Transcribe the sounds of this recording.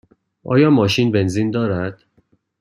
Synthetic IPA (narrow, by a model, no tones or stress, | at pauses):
ʔɒ̰ːjɒːmɒːʃinbe̞nzind̪ɒːɾæd̪̥